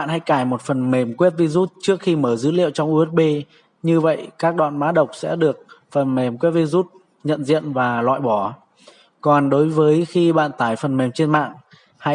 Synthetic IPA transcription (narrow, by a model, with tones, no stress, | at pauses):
a̰ː˧˨nha̰˧˥jkaː˧˩jmo˨˩t̚fə˨˩nme˨˩mkwi˦˥t̚vi˧zu˦˥t̚t͡ɕɨ˦˥ək̚xi˧məː˧˩zɨ̰˧˦lḭ˧˨ə˨wt͡ɕɔ˧wŋ͡mʔu˧ɛ˦˥t̚ɓe˧ | ɲɨ˧və̰˧˨jkaː˦˥k̚ɗwa̰ː˧˨nmaː˨˦ɗə˨˩wk͡p̚sɛ̰˧˥ɗɨ˨˩ək̚fə˨˩nme˨˩mkwe˦˥t̚vi˧zu˦˥t̚ | ɲə̰˧˨nzḭ˧˨ənvaː˨˩lwa̰ː˧˨jɓɔ˧˩ | kɔ˨˩nɗo˨˦jvəː˨˦jxi˧ɓa̰ː˧˨nt̪aː˨˩jfə˨˩nme˨˩mt͡ɕe˧nma̰ː˧˨ŋ | ha̰˧˥